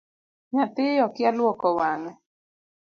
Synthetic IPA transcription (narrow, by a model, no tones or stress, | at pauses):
ɲat̪ɪjɔkɪalwɔkɔwaŋɛ